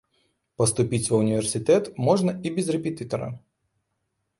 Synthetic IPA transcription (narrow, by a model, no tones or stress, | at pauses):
pɐst̪ʊpʲit͡sʲvɐunʲivʲɛrsʲɨt̪ɛt̪mɔʐnɐibʲɛzrɛpʲɪt̪ɨt̪ɐɾɐ̰